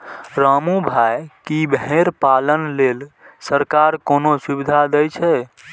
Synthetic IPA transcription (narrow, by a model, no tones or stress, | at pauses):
ɾamubʱajkibeɾpalənlelsəɾkaɾkonosubid̪ʱad̪əjt͡ʃʰɛ